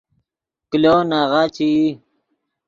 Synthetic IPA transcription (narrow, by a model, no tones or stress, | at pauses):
klonaʁat͡ɕii